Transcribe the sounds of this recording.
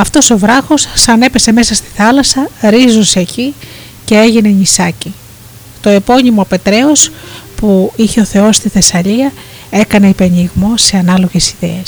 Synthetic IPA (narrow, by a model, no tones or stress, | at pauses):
ɐft̪o̞so̞vɾɐxo̞sːɐne̞pe̞se̞me̞sɐst̪i̥θɐlɐsɐɾizunse̞ːci | ce̞e̞ʝine̞ɲisɐci | t̪o̞e̞po̞ɲimo̞pe̞t̪ɾe̞o̞spuiçe̞o̞θe̞o̞st̪iθe̞sɐʎiɐ | e̞kɐne̞ipe̞niɣmo̞se̞ɐnɐlo̞ʝe̞siðe̞̰es